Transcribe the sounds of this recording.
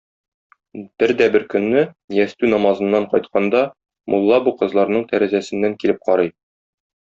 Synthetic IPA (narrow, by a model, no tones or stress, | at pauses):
b̥ɘɾd̪æbɘɾkɵ̆nːɘ | jæst̪ʉnɒmɑzɤ̆nːɑɴqɒjt̪qʰɑnd̪ɑ | mʔṵlˠːɑbuqɤ̆zlˠɑɾnɤɴt̪æɾæzæsɘ̆nːæŋkilɘp̚qɒɾɤj